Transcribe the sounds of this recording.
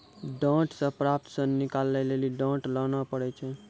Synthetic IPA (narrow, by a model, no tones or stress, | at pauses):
ɖãːʈsə̃pɾap̚t̪sə̃nikalːɛleliɖãːʈlanapəɽɛt͡ʃʰɛ